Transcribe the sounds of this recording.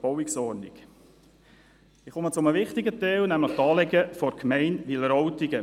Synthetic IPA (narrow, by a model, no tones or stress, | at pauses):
b̥ɔwiksɔːɾnik | ɪχʊmət͡sʊməʋɪχt̪ɪɡət̪ɛlnæmləχt̪ɑːlɛɡəfɔɾkʰmɛɪnʋɪləɾɔwtiɡə